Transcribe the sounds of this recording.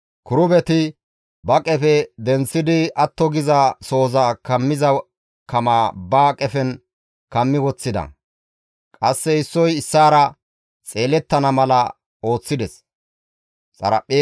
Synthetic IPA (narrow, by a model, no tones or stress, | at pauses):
kʊɾʊbɛt̪ɪ | bɐkʼɛfɛd̪ɛnsːɪd̪ɪɐt̪ːɔɡɪzɐso̞ːzɐkɐmːɪzɐ | kɐmaːbaːkʼɛfɛn | kɐmːɪwɔt͡sːɪd̪ɐ̰ | kʼɐsːɛɪsːɔjɪsːaːɾɐ | t͡sʼe̞ːlɛt̪ːɐnɐmɐlɐ | o̞ːt͡sːɪd̪ɛs | sʼɐ̰ɾɐ̰pʼːe